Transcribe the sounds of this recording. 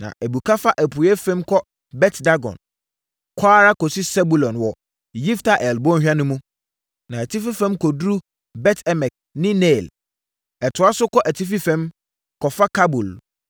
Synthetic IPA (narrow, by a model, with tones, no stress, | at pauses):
nã̰˨ʔæ˨bu˨kʰa˦fa˦ʔæ˨pʰu˨˦ɛ˦fɛ̃˦mkʰɔ˦ | bɛ˦tda˦ɡɔ̰̃˨n | kʰaː˦ɾa˦kɔ˨si˦sɛ˦bu˨lɔ̃˨nwɔ˨ | ji˦ftʰa˨ʔɛ˨lbɔ̃˦hᶣa˦nʊ̃˦mũ˦ | nã˨æ˨tʰi˦fi˦fɛ̃˦mkʰɔ˨dɾu˦ | bɛ˦tʰɛ˦mɛ̃˨k̚ | nɪ̃˦nɛ˦˨l | ɛ˨tʰʊ˨a˦sʊ˦kʰɔ˦ʔæ˨tʰi˦fi˦fɛ̃˦m | kʰɔ˨fa˦kʰa˦bu˨l